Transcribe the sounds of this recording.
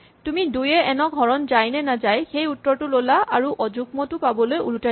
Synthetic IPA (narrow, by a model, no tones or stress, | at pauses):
tumidujɛɛnɔɡʱɔɹɔnzajnɛnazajxejutːɔɹtʊlolaʔaɹuʔɔd͡ʒuk̚mɔtʊpabɔlojṵluta